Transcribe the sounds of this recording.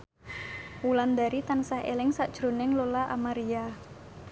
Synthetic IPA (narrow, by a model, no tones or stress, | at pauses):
wuland̪aɾit̪ansaɦḛlɪŋsaʔd̥ʒ̥ɾo̤nɪŋlolaʔa̰maɾia